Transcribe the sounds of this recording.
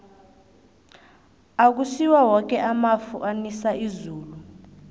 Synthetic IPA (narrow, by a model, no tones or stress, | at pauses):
ak̬usiwawɔk̬ʼɛʔamafuʔanisaizuːlu